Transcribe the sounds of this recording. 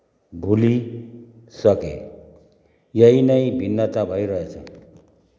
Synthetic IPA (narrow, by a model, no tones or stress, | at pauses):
bʱuli | sakḛ | jainaibʱinːat̪abʱaiɾajat͡sʰa̰